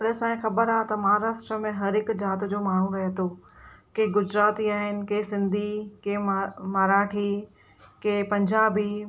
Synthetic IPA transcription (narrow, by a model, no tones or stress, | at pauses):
ɽesãːĩxɐbəɾaːt̪ɐmaːɾaːʃʈɾəmẽɦɐɾɪkd͡ʑaːt̪d͡ʑoːmaːɳ̤ũɾɐɦet̪oːkeɡʊd͡ʑɾaːt̪iaːɦɪnɪ̆keːsɪ̃nd̪ʱikeːmaɾaːʈʰi | keːpɐ̃ɲd͡ʑaːbiː